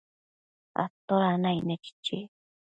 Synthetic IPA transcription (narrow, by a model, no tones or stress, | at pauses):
a̰t̪ːoɾanajnet͡ʃi̥t͡ʃːi